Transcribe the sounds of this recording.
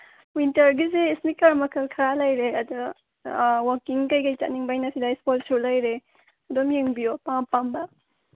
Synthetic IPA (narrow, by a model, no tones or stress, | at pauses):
wintɐɾɡizeːsnikɐɾmɐkʰɐlkʰɐɾalɐjɾeɐdu | wakiŋkɐjkɐjt͡ʃa̰t̚niŋbajnɐsidajspolsulɐjɾe | ɐdomjeŋbijopaŋpambɐ